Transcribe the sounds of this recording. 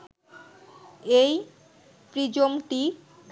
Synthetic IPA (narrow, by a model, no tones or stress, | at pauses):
ej | pɾid͡ʑomʈi